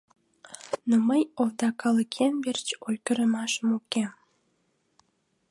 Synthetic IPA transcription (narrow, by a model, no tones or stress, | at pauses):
noməjovd̪ɑkɑləkʰenbert͡ɕolkəɾəmɑʃəmukem